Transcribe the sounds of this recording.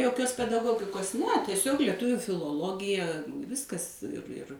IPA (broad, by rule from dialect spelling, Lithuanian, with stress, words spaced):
joːˈkʲoːs pʲɛdɐˈɡoːɡʲɪkoːs nʲɛ tʲiɛˈsʲoːk lʲiɛˈtʊʋʲʊ fʲɪlˠoːˈlˠoːɡʲɪjɛ ˈʋʲɪskɐs ɪr ɪr